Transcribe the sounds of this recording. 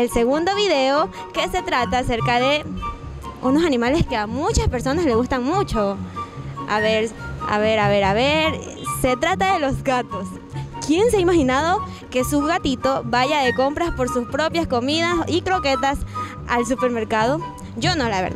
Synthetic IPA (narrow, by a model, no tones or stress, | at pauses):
else̞ɣund̪o̞βiðeo | ke̞se̞t̪ɾat̪aːse̞ɾkaðe̞ | uno̞sanĩmale̞skeamut͡ʃaspe̞ɾso̞nasle̞ɣust̪aŋmut͡ʃo̞ | a̰βeɾa̰βeɾaβe̞ɾaβeɾ | se̞t̪ɾat̪aðe̞lo̞zɡat̪o̞s | kje̞nseaimaxinaðo̞ | ke̞suɣat̪it̪o̞βaʝaðe̞ko̞mpɾaspo̞ɾsuspɾo̞pjasko̞miðasikɾoke̞t̪as | als̬upe̞ɾme̞ɾkaðo̞ | d͡ʒo̞nolaβḛɾ